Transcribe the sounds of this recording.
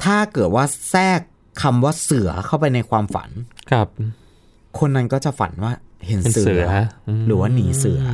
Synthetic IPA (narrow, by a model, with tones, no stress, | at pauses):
t̪ʰaː˥˩kɤː˨˩t̪̚waː˥˩sɛː˥˩kʰː | a˧mwaː˥˩sɯ˨˩˦ɐkʰa˥˩wp̬a˧jna˧jkʰwaː˧mfa̰˩˦nkʰa˧˩p̚ | kʰo˧nːa˧nkɔː˥˩t͡ɕa˨˩fa̰˩˦nwaː˥˩he˩˦n˨˦sɯ˦˩˦ɾɯː˩˦waː˥˩niː˩˦sɯ˨˩˦ɐ